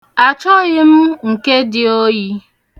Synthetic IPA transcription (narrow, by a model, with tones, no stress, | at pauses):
a˨t͡ʃɔ˦ɣɪ˦m̩˦ŋ̩˨ke˦dɪ˨o˦ɣi˦